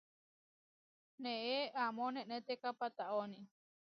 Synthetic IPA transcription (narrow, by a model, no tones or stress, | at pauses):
nẽʔeʔamõnẽʔnẽt̪ekapat̪aʔonĩ